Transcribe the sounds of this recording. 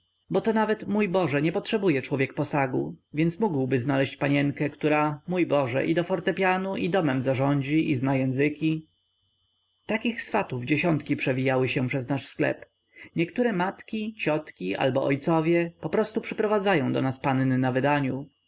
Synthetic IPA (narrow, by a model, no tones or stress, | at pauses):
bɔt̪ɔnavɛt̪mujbɔʐɛɲɛpɔtʂɛbujɛt͡ʂwɔvʲjɛk̚pɔsaɡṵvʲjɛnsmuɡwbɘznalɛɕt͡ɕpaɲɛŋkɛkt̪uɾamujbɔʐɛ̰ʔid̪ɔfɔɾt̪ɛpʲjanuʔid̪ɔmɛmzaʐɔɲd͡ʑiʔiznajɛ̃ñzɘkʲi | t̪akʲixsfat̪uvd͡ʑeɕɔnt̪kʲipʂɛvʲijawɘɕɛ̃pʂɛznaʂsklɛ̰p | ɲɛkt̪uɾɛmat̪kʲit͡ɕɔt̪kʲiʔa̰lbɔʔɔjt̪sɔvʲjɛpɔpɾɔst̪upʂɘpɾɔvad̪zajɔ̃w̃d̪ɔ̰naspannɘnavɘd̪aɲu